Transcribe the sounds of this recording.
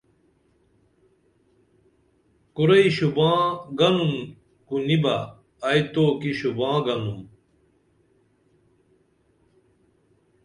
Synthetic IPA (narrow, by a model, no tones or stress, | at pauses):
kuɾɐiɕubãːɡɐnun | kunibɐː | jt̪oːkiɕubãːɡɐnum